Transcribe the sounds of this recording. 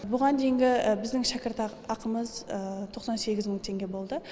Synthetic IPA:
bʊʁɑnd̪e̞jɪŋɡʲɪbɪzd̪ɪŋʃækʲɪɾt̪ɑ | ɑqəməzt̪ʰo̞qsɑnse̞ɡʲɪzməɴt̪ʰe̞ŋɡʲe̞bo̞lˠd̪ə

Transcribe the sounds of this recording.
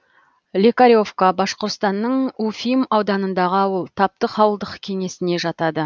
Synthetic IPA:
lʲekaɾʲjo̞fkabɑsqoɾt̪st̪ɑnːəɴufʲijmɑwd̪ɑnənd̪ɑʁəɑwəlˠt̪ʰɑp̚t̪əqɑwəlˠd̪əqkʲʰe̞ŋe̞sɪne̞ʒɑt̪ɑd̪ə

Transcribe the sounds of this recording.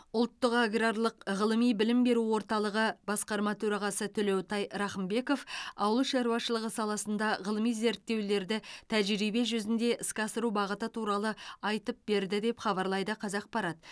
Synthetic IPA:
ʊlˠt̪ːəqaɡraɾlˠəqʁəlˠəmijbɪlɪmbe̞ɾuwo̞ɾt̪ɑlˠəʁəbɑsqɑɾmɑt̪ʰɵɾɑʁɑsət̪ʰʏle̞wt̪ɑjɾɑχəmbe̞ko̞fɑwəlˠəʃɑɾuɑʃəlˠəʁəsɑlˠɑsənd̪ɑʁəlˠəmijze̞ɾt̪ːe̞wle̞ɾd̪ɪt̪ʰæʒɾijbe̞ʒʏzɪnd̪e̞ʔɪskɑsəɾubɑʁət̪ət̪ʰuɾɑlˠəɑjt̪əp̚be̞ɾd̪ɪd̪e̞pχɑbɑɾlˠɑjd̪əqʰɑzɑq̚pɑɾɑt̪

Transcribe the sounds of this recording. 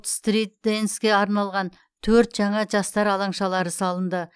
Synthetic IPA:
t̪st̪rit̪̚d̪enskʲe̞ɑɾnɑlˠʁɑn | t̪ʰɵɾt̪ʒɑɴɑʒɑst̪ɑɾɑlˠɑɴʃɑlˠɑɾəsɑlˠənd̪ə

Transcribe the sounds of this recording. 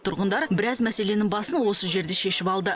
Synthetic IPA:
t̪ʰʊɾʁənd̪ɑɾbɪɾɑzmæse̞le̞nɪŋbɑsənwo̞səʒe̞ɾd̪e̞ʃe̞ʃɪpɑlˠd̪ə

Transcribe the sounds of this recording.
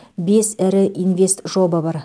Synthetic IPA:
be̞sæɾɪʔinvʲe̞st̪ʒo̞bəbɑɾ

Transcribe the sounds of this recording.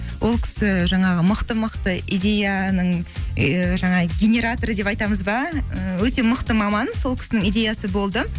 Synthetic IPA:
wʔo̞lˠkʲʰɪ̥sɪʒɑɴɑʁəməqt̪əməqt̪əid̪ʲe̞janəɴ | ʒɑɴɑɡʲenʲe̞ɾat̪o̞ɾəd̪e̞pɑjt̪ɑməzbɑəwɵt̪e̞məqt̪əmɑmɑnso̞lˠkʲɪ̥sɪnɪŋijd̪ʲe̞jasəbo̞lˠd̪ə

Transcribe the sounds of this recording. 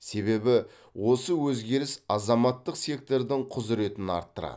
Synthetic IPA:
se̞be̞bɪ | wo̞səwɵzɡʲe̞ɾɪsɑzɑmɑt̪ːəqse̞k̚t̪o̞ɾd̪ɪŋqʰʊzɪɾe̞t̪ɪnɑ̰ɾt̪ːəɾɑ̰d̪

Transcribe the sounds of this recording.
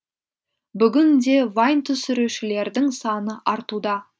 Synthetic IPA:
bʏɡʲɪnd̪e̞vɑjnt̪ʰʏsʏɾeʃɪle̞ɾd̪ɪŋsɑnəʔɑɾt̪ud̪ɑ

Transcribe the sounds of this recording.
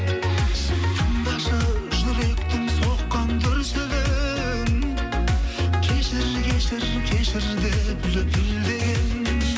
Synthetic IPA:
qʰɑnd̪ɑʃɑʒʊɾek̚t̪ɪŋsoqːɑnd̪ʰʊɾsɪd̪e | kʲʰeʃɪɾkʲʰeʃɪɾ | kʲʰe̞ʃɪɾd̪ebʏlek̪ʰɪld̪e̞ɡʲen

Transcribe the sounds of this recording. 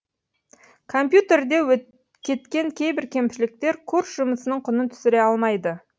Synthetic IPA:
kʰo̞mpjut̪e̞rd̪e̞wɵ | kʲʰe̞t̪kʲe̞ŋkʲʰejbɪɾkʲʰe̞mʃɪlɪk̚t̪e̞ɾkʰuɾsʒʊməsənəɴqʰʊnənt̪ʰʏ̥sɪɾe̞ɑlˠmɑjd̪ə

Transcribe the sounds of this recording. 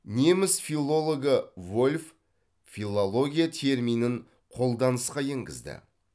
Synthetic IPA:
ne̞mɪsfilˠːo̞lˠo̞ɡəvo̞lʲf | fʲilˠolˠo̞ɡʲijat̪ʲʰe̞ɾmijnɪɴ | qʰo̞lˠd̪ɑnəsqɑje̞ŋɡʲɪ̰zd̪ɪ̰

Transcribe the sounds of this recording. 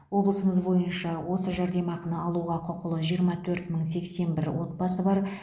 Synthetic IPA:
wo̞blˠəsəməzbo̞jənʃɑwo̞səʒɑɾd̪e̞mɑqənəɑlˠuʁɑqʰʊqəlˠəʒijəɾmɑt̪ʰɵɾt̪məɴse̞kse̞nbɪɾwo̞t̪̚bɑsəbɑɾ

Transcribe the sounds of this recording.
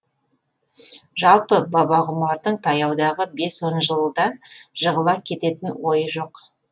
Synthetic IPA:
ʒɑlˠpəbɑbɑʁʊmɑɾd̪əɴt̪ʰɑjɑwd̪ɑʁəbe̞swonʒəlˠəd̪ɑʒəʁəlˠɑkʲʰe̞t̪e̞t̪ɪnwo̞jəʒo̞q

